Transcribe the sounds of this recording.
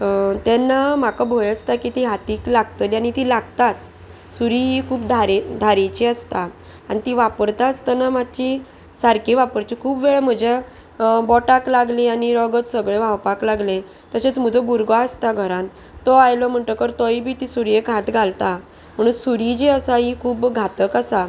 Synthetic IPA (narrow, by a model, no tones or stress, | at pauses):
t̪ɛnːam̤akabʱojəst̪akit̪iɦat̪iːklaɡt̪əliaɽ̃it̪ilaɡt̪at͡s | suɾiɦikʰuːbd̪ʱaɾed̪ʱaɾet͡ɕiəst̪a | anit̪iʋapəɾt̪aəst̪anamad̪̚t͡ɕi | saɾkiʋapəɾt͡ɕikʰuːpbʋeɭəm̤əd͡ʑa | bɔʈaklaɡlẽaniɾəɡət͡ssəɡɭeʋawpaklaɡlẽ | t̪əset͡sm̤əd͡zəbuɾɡaəst̪aɡʱəɾãn | t̪ɔajlɔm̤əɳʈ̪əkəɾt̪ɔibʱiːt̪isuɾjekɦat̪ɡʱalt̪a | m̤əɽ̃uːnsuɾid͡ʑeəsaɦikʰuːbɡʱat̪əkasa